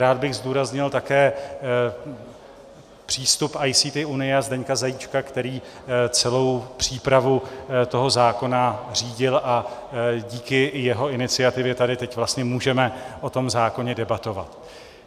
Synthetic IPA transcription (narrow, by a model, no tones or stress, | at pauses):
ɾaːd̪̚bɪɣzd̪uːɾazɲɪlt̪akɛː | pr̝̥iːst̪upʔajsiːt̪ɪʔunɪjɛazdɛɲkazajit͡ʃkakt̪ɛɾiː | t͡sɛlo̞wpr̝̥iːpɾavut̪o̞ɦo̞zaːko̞nar̝iːɟɪlʔaɟiːkɪjɛɦo̞ɪnɪt͡sɪat̪ɪvjɛt̪adɪt̪ɛcvlast̪ɲɛmuːʒɛmɛʔo̞t̪o̞mzaːko̞ɲɛdɛbat̪o̞va̰t̪